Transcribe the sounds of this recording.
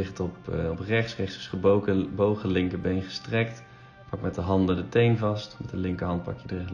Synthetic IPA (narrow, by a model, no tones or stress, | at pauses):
ɪχtɔpɔprɛχtsrɛχtsəsχəbkəbowχəlɪŋkəbejnχəstrɛkt | pɑk̚mɛtdəɦɑndəndətejnvɑstmɛtəlɪŋkəɹɦɑnt̚pɑ̰kjədəɛ